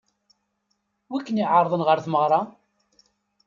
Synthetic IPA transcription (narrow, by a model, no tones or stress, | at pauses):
wækːəniʕəɾˤðˤənʁəɾθməʁɾˤɑ